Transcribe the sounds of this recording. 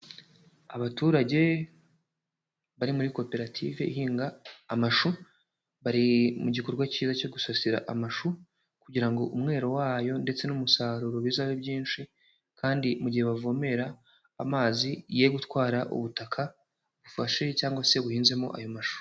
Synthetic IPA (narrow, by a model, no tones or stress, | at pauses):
aβatuːɾaɟe̞ | βaɾimuɾiko̞pe̞ɾatʰḭve̞ʔiɦiːŋɡaːmaʃu | βaɾimuɟiko̞ɾɡwaciːzaco̞ɡusasiɾa̰ʔamaʃu | kuɟiɾaŋɡo̞ʔumŋe̞ːɾo̞waːjo̞nde̞t͡se̞numusaːɾuɾoβiːzaβebɟiːnʃi | kʰaːndimuɟihe̞βavo̞me̞ɾa | amaːzije̞ɡutwaːɾaʔṵβutakʰa | βufaʃe̞caːŋɡwase̞βuhiːnze̞mo̞̰ʔa̰jo̞maʃu